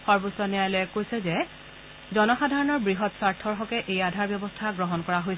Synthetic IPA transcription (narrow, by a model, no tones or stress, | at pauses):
xɔɹbosɔnɛjajlɔɛkojsɛzɛ | zɔnɔxadʱaɹɔnɔɹbɹiɦɔtsaɹtʰɔɹxɔkɛʔejadʱaɹbjɔbɔstʰaɡɹɔɦɔnkɔɹaɦojs